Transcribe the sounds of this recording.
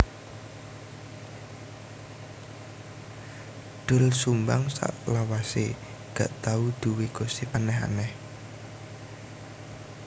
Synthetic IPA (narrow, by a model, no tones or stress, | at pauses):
d̪̥ʊ̤lsumbaŋsa̰ʔlawase | ɡ̥aʔt̪aud̪̥ṳweɡ̥osipanɛɦa̰nɛh